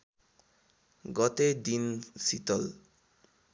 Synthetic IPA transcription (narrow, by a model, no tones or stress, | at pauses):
ɡɔt̪ed̪insit̪ɔl